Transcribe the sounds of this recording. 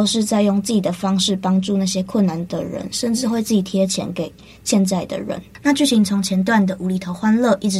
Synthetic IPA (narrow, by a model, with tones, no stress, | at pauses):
o˥˧ʊʂɻ̩˥˧t͡sa˥˧ɪjɔ˥˧ŋt͡s̩˥˩t͡ɕi˨˩d̪ə˩fɑ˦˥ŋʂɻ̩˥˩pɑ˥ŋʈ͡ʂu˥˧na˥˩ɕjɛ˥kʰwə˥˩nːa˨˦nd̪ə˨ɻə̰˧˦nʂə˥˧nʈ͡ʂɻ̩˥˧xwe˥˧ɪt͡s̩˥˩t͡ɕi˨˩t̪ʰjɛ˥t͡ɕʰjɛ̰˧˥nke˨˩ɪ | ɕjɛ˥˧nt͡sa˥˩ɪd̪ə̰˨˩ɻə̰˧˦nna˥˧t͡ɕy˥˩ɕi˧˥ŋt͡sʰo˧˥ŋt͡ɕʰjɛ˧˥nt̪wa˥˩nd̪ə˩ʔu˧˥li˨˩t̪ʰo˧˥ʊxwa˥nlɤ˥˨ʔi˥˩ʈ͡ʂɻ̩˧